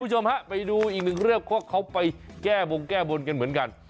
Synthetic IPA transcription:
t͡ɕo˧mha˦˥ʔpa˨˧˩jɗuː˧ʔi˨˩k̚nɨ˨˩ŋɾi˥˩əp̚kʰu˧˥˩ək̚xa˧˦wpa˨˧jkɛː˧˩ɓo˨˧nkɛː˧˩ɓo˧nka˧nmɨ˨˦nka˧˩n

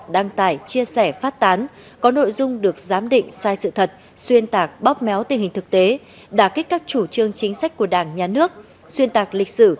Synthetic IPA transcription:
ɗaː˧ŋt̪aː˧˩jt͡ɕi˧əsɛ˧˩faː˦˥t̚t̪aː˨˦n | kɔ˨˦no̰˧˨jzʊ˧ŋ͡mɗɨ˨˩ək̚zaː˨˦mɗḭ̈˧˨ŋ̟saː˧jsɨ̰˧˨t̪ʰə˨˩t̚ | swi˧ənt̪aː˨˩k̚ɓɔ˦˥p̚mɛ˨˦wt̪i˨˩ŋɦï˨˩ŋ̟t̪ʰɨ˨˩k̚t̪e˨˦ | ɗaː˧˩ki˦˥k̟̚kaː˦˥k̚t͡ɕu˧˩t͡ɕɨ˧əŋt͡ɕï˨˦ŋ̟sa˦˥k̟̚ku˧˩əɗaː˧˩ŋɲaː˨˩nɨ˦˥ək̚ | swi˧ənt̪aː˨˩k̚lï˨˩k̟̚sɨ˧˩

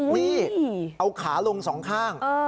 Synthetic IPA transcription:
miː˥˩ʔa˧wkʰaː˩˦lo˧ŋsɔː˩˦ŋkʰaː˥˩ŋː˧

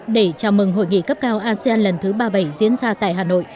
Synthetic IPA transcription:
ɗe˧˩t͡ɕaː˧˩mɨ˨˩ŋɦo̰˧˨jŋḭ˧˨kə˦˥p̚kaː˧wʔaː˧si˧aː˧nlə˨˩nt̪ʰɨ˨˦ɓaː˧ɓa˧˩jzḭ˧˥ənzaː˧t̪a̰ː˧˨jɦaː˨˩no̰˧˨j

